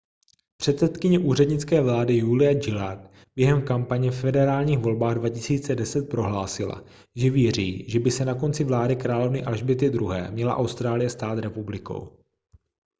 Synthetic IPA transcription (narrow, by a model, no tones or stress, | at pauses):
pr̝̥ɛt̪sɛt̪kɪɲɛʔuːr̝ɛdɲɪt͡skɛːvlaːdɪjulɪjad͡ʒɪlat̪ | b̥jɛɦɛmkampaɲɛfɛdɛɾaːlɲiːxvo̞lbaːɣdvacɪsiːt͡sɛdɛsɛt̪̚pɾo̞ɦlaːsɪla̰ | ʒɛvjɛr̝iːʒɛbɪsɛnako̞nt͡sɪvlaːdɪkɾaːlo̞vnɪʔalʒbɪt̪ɪd̪ɾuɦɛ̰ːmɲɛla̰ʔawst̪ɾaːlɪjɛst̪aːt̪ɾɛpublɪko̰w